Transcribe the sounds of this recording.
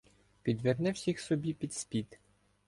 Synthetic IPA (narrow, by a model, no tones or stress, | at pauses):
pʲid̪ʋernɛwsʲixsɔbʲipʲid̪sʲpʲit̪